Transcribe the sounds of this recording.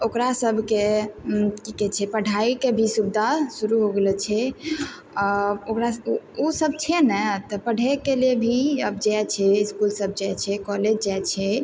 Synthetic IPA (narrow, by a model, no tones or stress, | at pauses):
okɾasəbʱke | kikɛt͡ʃʰɛpəɽʱaikebʱisubd̪ʱasuɾuɦoɡelɛt͡ʃʰɛ | ɔokɾaosəb̚t͡ʃʰɛnɛt̪ɔpəɽ̤ʱɛkelebʱiəbd͡ʒɛt͡ʃʰɛiskulsəb̚ʱd͡ʒat͡ʃʰɛkɔled͡ʒd͡ʒajt͡ʃʰɛ